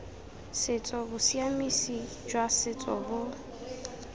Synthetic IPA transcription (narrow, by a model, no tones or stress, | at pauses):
sɪt͡sʼɔbʊsiamisi | d͡ʒwasɪt͡sʼɔ̰bʊ